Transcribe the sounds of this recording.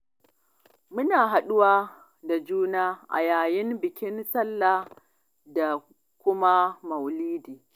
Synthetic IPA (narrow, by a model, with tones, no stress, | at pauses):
mʊ˦naː˨ɦa˨ɗʊ˦waː˦ | da˨d͡ʒuː˦naː˦ʔa̰˨jaː˨jɪ˦mbɪ˨kʲɪ˦nsɐ˦lːa˨ | da˨ | kʷʊ˦ma˦mɐ˨wliː˦diː˨